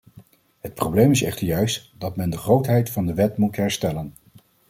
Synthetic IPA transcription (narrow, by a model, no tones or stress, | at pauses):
ɦət̚prowblejmɪsɛ̰χtəɹjœɥstdɑtmɛndəχrowtɦɛjtfɑndəʋɛtmutɦɛɹstɛlən